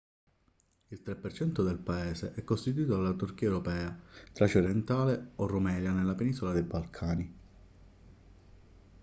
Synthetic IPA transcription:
ilt̪ɾepːert͡ʃɛnt̪od̪elpaeːseʔɛkːost̪it̪̬uiːt̪oalːat̪urk̟iːɛwɾopɛːat̪ɾat͡ʃoɾɛnt̪aːleorːomɛːljanelːapeniːsolad̪ejbalkʰaːni

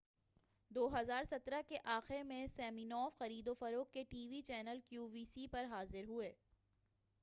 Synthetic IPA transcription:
d̪oːɦɐzaːɾsɐt̪ɾakeʔaːxɪɾmẽsɛːminɔːfxɐɾiːd̪ofɐɾoːkːeʈiːʋit͡ʃɛːnəlkjuːʋiːsipɐɾɦaːzɪɾɦueː

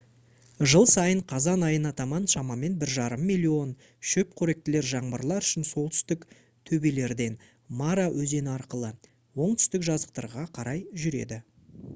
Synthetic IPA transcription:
ʒəlˠsɑjəɴqʰɑzɑnɑjənɑt̪ɑmɑnʃɑmɑme̞nbɪɾʒɑɾəmːijlʲˠːio̞n | ʃɵp̚kʲʰɵɾe̞k̚t̪ɪle̞ɾʒɑɴbəɾlˠɑɾʏʃɪnso̞lˠt̪ʰʏ̥st̪ɪk | t̪ʰɵbele̞ɾd̪e̞n | maɾawʔɵze̞nɪɑɾqəlˠə | wo̞ɴt̪ʰʏ̥st̪ɪkʒɑzəq̚t̪ɑ̰ɾʁɑqʰɑɾɑjʒʏɾe̞̰d̪ɪ

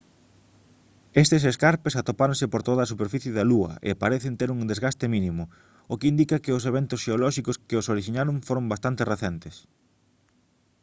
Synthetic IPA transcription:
est̪ɪseskaɾpesat̪opaɾõnsɪpoɾt̪oðɐːs̬upeɾfiθjɪðɐluɐ̰ʔḛpaɾeθɪnt̪eɾuŋd̪ezɣast̪ɪminĩmʊ | ʊkɪind̪ikɐkɪʊseβ̞ent̪ʊsʃeolɔʃikʊskɪosoɾiʃiɲaɾõŋfoɾombast̪ant̪ɪreθent̪ɪs

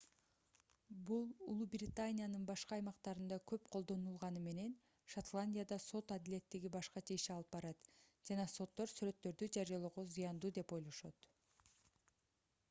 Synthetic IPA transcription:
bulˠṵlˠubrʲɪt̪anʲijanɯnbɑʃqɑːjmɑqt̪ɑɾɯnd̪ɑkʰø̞pqʰo̞lˠd̪o̞nulˠʁɑnɯme̞ne̞n | ʃat̪lˠanʲdʲijad̪ɑso̞t̪ad̪ilʲe̞t̪ːiɡibɑʃqɑt͡ʃeʃiɑlˠɯp̚bɑɾɑt̪d͡ʒɑnɑso̞t̪ːo̞ɾsyɾø̞t̪ːø̞ɾd̪yd͡ʒɑɾijolˠo̞ʁozijɑnd̪uːd̪e̞po̞jlˠo̞ʃot̪

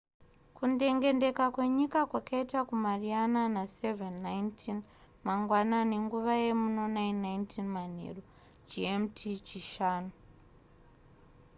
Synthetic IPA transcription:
kunde̞ŋɡe̞nde̞kakwe̞ɲikakwakʰaitakumariananasevenːajntʰin | maŋɡwanane̞ŋɡuʋaje̞muno̞nainːajntʰinman̤ḛro | d͡ʒiemtʰit͡ʃiʃaːnu

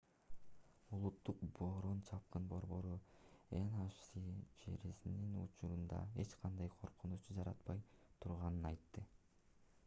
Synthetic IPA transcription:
ulˠut̪ːuq̚bo̞ɾunt͡ʃʰɑp̚qɯnbo̞ɾbo̞ɾuenɑʃsit͡ʃeɾisininṵt͡ʃuɾund̪ɑ̰e̞t͡ʃqʰɑnd̪ɑjqʰo̞ɾqunut͡ʃud͡ʒɑɾɑ̰t̪̚pɑjt̪ʰuɾʁɑnɯnɑjt̪ːɯ

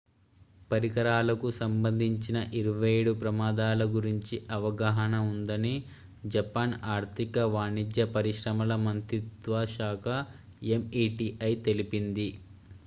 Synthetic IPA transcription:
pɐɾikɐɾaːlɐkusɐmbɐnd̪ʱiɲt͡ʃinɐʔiɾɐʋɐjeːɽupɾɐmaːd̪aːlɐɡuɾiɲt͡ʃiʔɐʋɐɡaɦɐnɐund̪ɐni | d͡ʒɐpaːnaːɾt̪ʰikɐʋaːnid̪jɐpɐɾiʃɾɐmɐlɐmɐnt̪ɾit̪ʋɐʃaːkʰɐ | emiːʈiʔɐjt̪elipind̪i

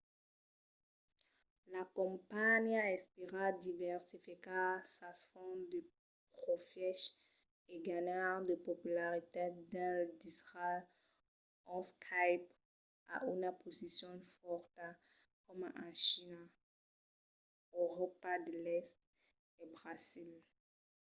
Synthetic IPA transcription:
lakɔ̃paɲaɛspeʁad̪ivɛʁsifikaʁsasfɔ̃d̪ə | pʁɔfjɛʃ | eɡaɲaʁd̪əpopylaʁit̪ed̪ɛld̪isʁa | ɑ̃skʰajp | a̰ʔynapozisjɔ̃fɔʁt̪a | kɔmɑ̃ʃina | øʁɔpad̪əlɛst̪̚ | ebʁazil

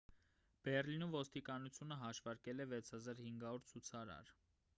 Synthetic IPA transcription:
b̥ɛrlinumvɔst̪ikɑnut͡sʰjunəɦɑʃvɑɾkɛlɛvɛt͡sʰhɑzɑɾhiŋɡɑɔɾt͡sʰut͡sʰɑɾɑ̰ɾ

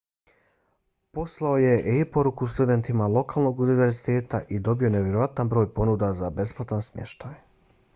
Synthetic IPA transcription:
po̞slˠaoje̞ʔeipo̞ɾukust̪ud̪e̞nt̪imalˠo̞kaːlˠno̞ɡuniʋe̞ɾzit̪e̞ːt̪aʔid̪obio̞neʋje̞ɾo̞ʋat̪anbɾo̞ːjpo̞nud̪azabe̞splˠat̪ansmjḛʃt̪aj

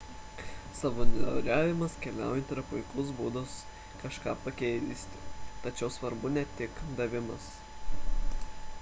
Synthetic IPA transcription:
sɑʋoːnʲɛ̰ɾʲæːʋʲɪmɐskʲɛlʲæ̰ˑʊjɛnt̪ʲɪɾɐpʊɪklˠʊsbuːd̪ʊs | kɐʃkɑːpɐkʲɛɪzʲisʲt̪ʲɪt̪ɐt͡ʃʲɛʊsʋɐɾbʊnʲɛt̪ʲɪkd̪ɐʋʲɪmɐs

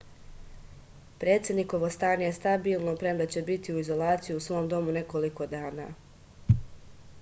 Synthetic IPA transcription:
pɾe̞ːt̪sje̞d̪niko̞ʋo̞st̪aːɲejest̪abiːlˠnopɾemlet͡ɕe̞bit̪iuizo̞laːt̪sijuusʋo̞ːmd̪o̞mune̞ko̞liko̞d̪aːna̰ː

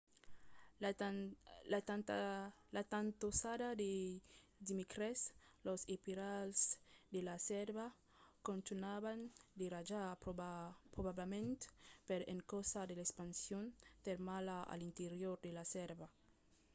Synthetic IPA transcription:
la | lat̪ant̪osad̪ad̪e | d̪imikɾeslosepiɾalsd̪elasɛɾβa | kont̪unaβand̪erad͡ʒa | pɾoβablemẽnt̪peɾḛŋkosad̪elespansjont̪eɾmalaa̰lint̪eɾjoɾd̪elasɛɾba

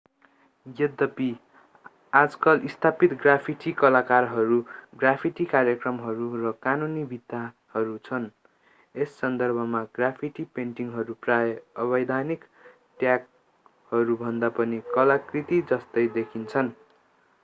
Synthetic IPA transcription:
jʌd̪ʌpi | ad͡zkʌlʔist̪ʰapit̪ɡrapʰiʈikʌlakarɦʌɾuɡrapʰiʈikarjekrʌmɦʌɾurʌkanunibʱit̪ːa | hʌɾut͡sʰʌn | esːʌnd̪ʌrbʱʌmaɡrapʰiʈipeɳʈiŋɦʌɾuprajʌʌβʌjd̪ʱanik | ʈjak̚ | hʌɾubʱʌnd̪apʌnikʌlakrit̪id͡zʌst̪ʌjd̪ekʰint͡sʰʌn

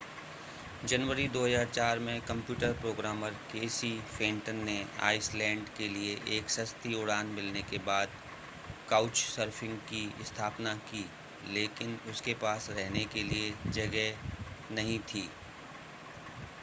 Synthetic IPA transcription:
d͡ʒɐnʋəɾid̪oːɦəzaːɾt͡ʃaːɾmẽkɐ̃mpjuːʈəɾpɾoːɡɾaːməɾkeːsifɪ̃ːɳʈənːea̰ːɪslɛ̃ːɳɖkelieʔeːksɐst̪iʊɽaːnmɪlnekebaːd̪ | kaːʊt͡ʃsəɾfʰɪ̃ŋɡkiɪst̪ʰaːpnakiː | leːkɪnʊskepaːsɾɛɦnekelied͡ʒɐɡɛnɐɦĩt̪ʰiː

